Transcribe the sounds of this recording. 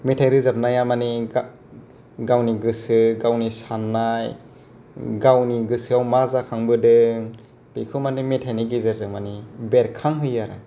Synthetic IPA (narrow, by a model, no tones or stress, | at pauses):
metʰajɾɯzap̚najamani | ɡawniɡɯsɯɡawnisanːaj | ɡawniɡɯsɯawmazakʰaŋbɯdɯŋ | b̥ikʰɯmanimetʰajniɡizaɾzɯŋmanibeɾkʰaŋɦɯjaɾa̰